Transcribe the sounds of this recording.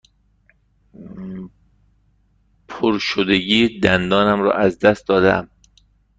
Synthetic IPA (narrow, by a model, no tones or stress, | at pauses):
pʰoɾʃod̪eɟiːd̪ænd̪ɒːnæmɾɒ̰ːʔæzd̪æst̪d̪ɒːd̪eæ̰m